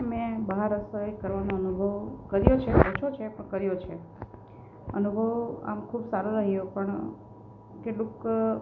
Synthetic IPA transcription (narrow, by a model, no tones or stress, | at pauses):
mẽbəɦaɾəsəjkəɾʋanoənubʱəʋkəɾjot͡ʃʰepə̃ɦt͡ʃʰot͡ʃʰepəɳkəɾjot͡ʃʰe | ənubʱəʋa̰mkʰubsaɾuɾəɦijõpəɳ | keʈlũk